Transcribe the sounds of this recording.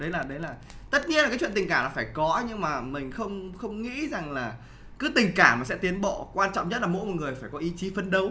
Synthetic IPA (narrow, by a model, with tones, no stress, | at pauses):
ɗə˨˦jlaː˨˩ɗə˨˦jlaː˨˩ | t̪ə˦˥t̚ɲi˧əna˨kaː˨˦t͡ɕwḭ˧˨nt̪ï˨˩ŋkaː˧˩laː˨˩faː˧˩jkɔ˨˦ɲɨ˧ŋmaː˨˩mï˨˩ŋ̟xə˧wŋ͡mxə˧wŋ͡mŋḭ˧˥za˨˩ŋlaː˨˩ | kɨ˨˦t̪ï˨˩ŋ̟kaː˧˩maː˨˩sɛ̰˧˥t̪i˨˦ənɓɔ̰˧˨kwaː˧nt͡ɕɔ̰˧˨wŋ͡mɲə˦˥t̚laː˨˩mo̰˧˥jmɔ˨˩ŋɨ˨˩əjfaː˧˩jkɔ˨˦ʔi˨˦t͡ɕi˨˦fə˧nɗə˨˦w